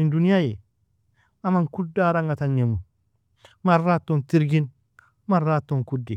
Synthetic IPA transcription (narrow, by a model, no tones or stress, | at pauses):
induniaje | amaŋkudːaɾaŋɡatanɲemu | maɾːatːontiɾɡin | maɾːatːoŋkudi